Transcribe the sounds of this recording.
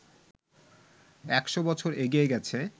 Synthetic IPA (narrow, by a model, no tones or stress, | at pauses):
ɛkʃobɔt͡ɕʰoɾeɡieɡɛt͡ɕʰe